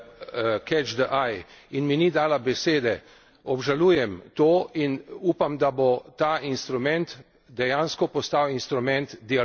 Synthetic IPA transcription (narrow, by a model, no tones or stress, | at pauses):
kɛt͡ʃd̪əʔajinminid̪aːlabɛseːd̪ɛ | ɔbʒaluːjɛmt̪oːinuːpamd̪abot̪aːʔinst̪ɾumɛnt̪ | d̪ɛjanskɔpɔst̪awinst̪ɾumɛnt̪d̪ia